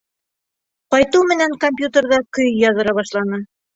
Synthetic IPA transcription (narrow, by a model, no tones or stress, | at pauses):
qɑjt̪uwmɘ̆næŋkomʲpʲjut̪erðɑkɵjjɑðɤ̆ɾɑβɑʃlˠɑnɤ